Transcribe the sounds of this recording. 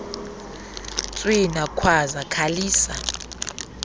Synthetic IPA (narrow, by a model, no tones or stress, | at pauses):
t͡sʼwinakʰwazakʰaliːsa